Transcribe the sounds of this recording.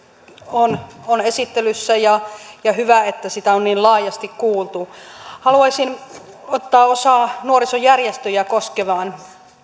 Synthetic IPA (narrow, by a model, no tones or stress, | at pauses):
ononesit̪ːelysːæjɑjɑhyʋæet̪ːæsit̪æonniːllɑːjɑst̪ikkuːlt̪uhɑluɑisin | ot̪ːɑːosɑːnuorisojjærjest̪øjækoskeʋɑːn